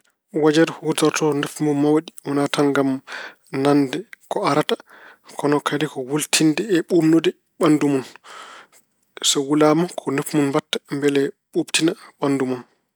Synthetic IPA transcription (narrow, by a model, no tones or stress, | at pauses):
wad͡ʒadhutɔɾtɔnɛfmunmawɗiwɔnatanɡam | nandɛkɔaɾata | kʰɔnɔkʰadikɔwultʰindɛːɓumnudɛ | ɓandumun | sawulamakʰɔnefmunmbatːḁmbɛlɛɓubtinaɓandumun